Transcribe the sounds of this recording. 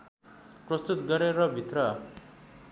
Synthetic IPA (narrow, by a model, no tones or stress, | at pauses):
prʌst̪ut̪ɡʌɾeɾʌbʱit̪rʌ